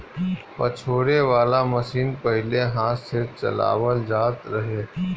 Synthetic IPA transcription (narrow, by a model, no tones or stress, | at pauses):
pɐt͡ʃʰoːɾeʋaːlamɐsiːnpəɦɪleɦãːset͡ʃɐ̰la̰ːʋəld͡ʒaːt̪ɾɐɦeː